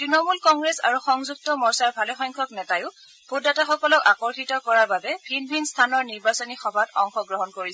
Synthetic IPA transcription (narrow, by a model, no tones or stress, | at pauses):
tɹinɔmulkɔŋɡɹesa̰ɹuxɔŋzuk̚tɔmɔɹsaɹbʱalɛxɔjŋkʰɔknɛtajʊ | b̥ʰʱodataxɔkɔlɔkakɔɹxitɔkɔɹaɹbabɛbʱinbʱinstʰanɔɹniɹbasɔnixɔbʱatɔŋxɔɡɹɔɦɔnkoɹisɛ